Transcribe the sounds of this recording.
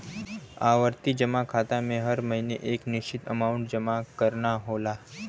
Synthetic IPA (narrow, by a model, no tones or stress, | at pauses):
aʋəɾt̪id͡ʒəmakʰat̪amẽɦəɾməɦinḛʔekniʃt͡ʃit̪əmauɳʈ̚d͡ʒəmakəɾɳaɦola